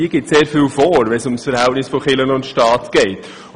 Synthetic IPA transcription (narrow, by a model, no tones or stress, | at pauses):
iːəɡ̥ɪtseːɾfilfoːɾʋɛnsʊmsfəɾhæltnɪsfoχɪlənʊntʃtɑːtɡ̥ɛɪt